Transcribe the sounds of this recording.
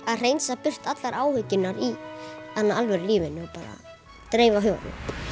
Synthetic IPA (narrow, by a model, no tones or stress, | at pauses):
aðr̥eːjnsapʏr̥t̪at̪laɾaːwhʏcːʏnːaɾiθanːaalvɛɾliːvɪnːʏɔpaːɾa̰ | t̪ɾeːjvaɦʏːva̰t̪nɪ̰